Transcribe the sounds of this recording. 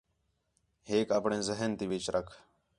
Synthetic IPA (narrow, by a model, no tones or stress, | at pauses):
ɦeːkaːpɳẽːzəɦənt̪iːʋit͡ʃɾəkʰ